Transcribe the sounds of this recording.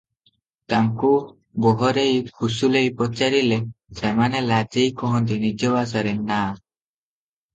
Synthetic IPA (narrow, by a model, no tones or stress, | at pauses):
t̪aŋku | bɔɦɔɾejhusulejpɔt͡ʃaɾilesemanelad͡ʒejkɔɦɔnt̪inid͡ʒɔbas̬aɾenːa